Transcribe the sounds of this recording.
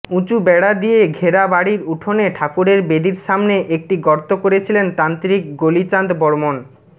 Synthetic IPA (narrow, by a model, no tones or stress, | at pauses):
ũt͡ɕubɛɽad̪ijeɡʱeɾabaɽiɾuʈʰoneʈʰakuɾeɾbed̪iɾʃamneʔek̚ʈiɡɔɾt̪okoɾet͡ɕʰilent̪ant̪ɾik̚ɡolit͡ɕand̪bɔɾmon